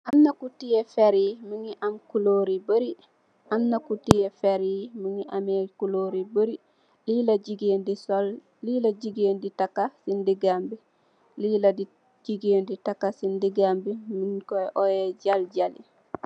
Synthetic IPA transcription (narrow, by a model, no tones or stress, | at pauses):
ʔamnakutijefeɾimiŋiʔamkuloɾibəɾi | ʔamnakutijefeɾimiŋiʔamekuloɾibəɾi | lilaɟiɡeːndisol | liːlaɟiɡeːnditakːasindiɡambi | liladi | ɟiɡeːnditakːasindiɡambiminkoʔojeɟalɟalḭ